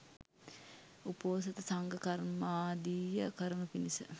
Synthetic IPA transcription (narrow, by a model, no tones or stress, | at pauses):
upoːs̬ɐt̪əsaŋɡəkɐɾmaːd̪iːjəkəɾənupinisə̰